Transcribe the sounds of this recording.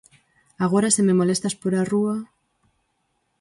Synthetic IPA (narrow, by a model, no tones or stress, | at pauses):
aɣ̞o̞ɾasememo̞le̞st̪aspoɾarua